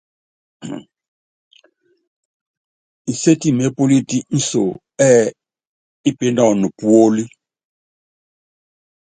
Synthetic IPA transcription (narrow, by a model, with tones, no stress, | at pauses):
i˨se˦ti˦˨me˨˦po˦li˦ti˦n̩˦so˨ | ɛ˦ | i˦pe˨˦na˨nu˨pu˨˦o˦li˦